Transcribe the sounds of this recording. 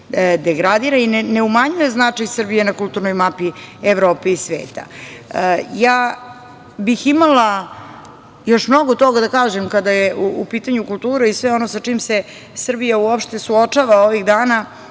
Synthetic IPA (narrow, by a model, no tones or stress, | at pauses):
d̪eɡɾad̪iːɾainneumaɲuje̞znat͡ʂajsr̩bijenakulˠt̪uɾnojmapieʋɾo̞ːpeisʋḛːt̪a̰ | jaː | biximalˠa | jo̞ʃmno̞ɡot̪o̞ɡad̪akaːʒemkad̪ajeʔuupiːt̪aɲukulˠt̪uːɾeisʋeo̞nosat͡ʂiːmse | sr̩bijauopʃt̪e̞suot͡ʂaʋao̞ʋiɣd̪aːna